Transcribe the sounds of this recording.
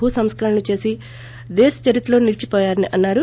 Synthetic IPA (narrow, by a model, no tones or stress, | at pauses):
ɦusɐmskɐɾɐnut͡ʃe̞ːsi | d̪eːsɐ̥t͡ʃɐɾit̪ɐlo̞ːnilt͡ʃipɔːjaːɾɐniʔɐnːaːɾu